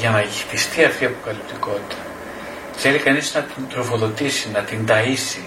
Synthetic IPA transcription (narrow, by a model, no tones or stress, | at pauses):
ʝɐnɐʝixt̪ist̪iɐft̪iɐpo̞̥kɐlipt̪iko̞t̪it̪ʰɐ | θe̞likɐniznɐt̪int̪ɾo̞fo̞ðo̞t̪isinɐt̪ind̪ɐisi